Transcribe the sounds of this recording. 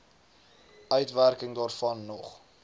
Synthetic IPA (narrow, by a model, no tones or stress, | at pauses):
ʔœɥtværkəŋdɑːrfɐnːɔχ